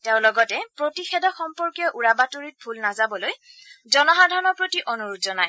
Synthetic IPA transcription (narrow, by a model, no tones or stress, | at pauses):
teʊ̃lɔɡɔtɛpɹotixɛdɔxɔmpɔɹkjɔʔuɹabatoɹit̚bʱulnazabɔlojzɔnɔɦadʱɔnɔɹpɹotiʔonuɹutzɔnaj